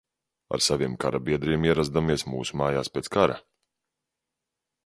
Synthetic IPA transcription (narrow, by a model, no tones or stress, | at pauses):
a̰ɾsaviɛmkaɾabiɛd̪ɾiːmiɛɾazd̪amiɛsmuːsumaːjaːspʲɛːt̪skaɾa̰